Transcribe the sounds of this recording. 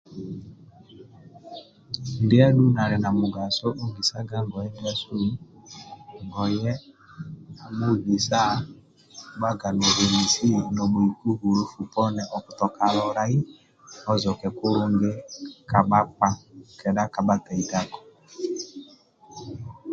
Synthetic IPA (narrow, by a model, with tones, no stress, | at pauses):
ndɪ˦ɛ˦ɗu˦na˨ɾɛ˨na˨mʊ˨ɡa˨so˦ʔo˦ŋɡi˨sa˦ɡa˦ŋɡɔ˨jɛ˦ndɪ˦ɛ˦su˦ | ŋɡɔ˨jɛ˦ | mu˦ɡi˨sa˦˨˦ | ɓa˦ɡa˨no˨ɾe˨ɾi˨si˦nɔ˨mo˨i˨ku˦ɣu˨ɾo˦fu˨pɔ˦nɛ˨ʔɔ˨ku̥˨tɔ˨ka˨ɾɔ˨ɾa˦i˦ | ɔ˦zɔ˨kɛ˨ku˦ɾu˦ŋɡe˦ka˨ɓa˦k͡pa˦kɛ˨ɗa˦ka˨ɓa˦tɛ˨i˨da˦kɔ̥˨